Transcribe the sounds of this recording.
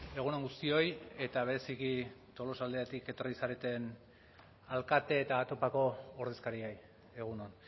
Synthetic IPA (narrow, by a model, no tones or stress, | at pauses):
e̞ɣ̞unaŋɡust̪io̞je̞t̪aβ̞e̞ɾe̞sikit̪o̞lo̞sald̪eat̪ike̞t̪o̞risaɾet̪e̞n | alkat̪e̞ːt̪at̪o̞pako̞ːɾðe̞skaɾiej | e̞ɣ̞unon